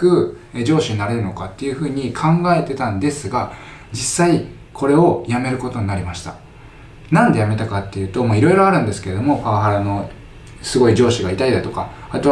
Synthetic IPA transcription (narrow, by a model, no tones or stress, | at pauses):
kɯ̟ | ed͡ʑo̞ːɕiɲ̟inaɾe̞ɾɯ̟no̞kat̪ːe̞jɯ̟ɸɯ̟ːɲ̟ikʰãŋɡae̞t̪e̞t̪ãnd̪e̞sɨɡa | d͡ʑisːai | kʰo̞ɾe̞o̞jame̞ɾɯ̟ko̞t̪oɲ̟inaɾʲimaɕi̥t̪a̰ | nãnd̪e̞jame̞t̪akat̪ːe̞jɯ̟ːt̪o̞maiɾo̞ijɾo̞aɾɯ̟̃nd̪e̞sɨ̥keed̪o̞mo̞kaaɦaɾano̞ | sɨɡo̞id͡ʑo̞ːɕiɡait̪aid̪at̪o̞ka | at̪o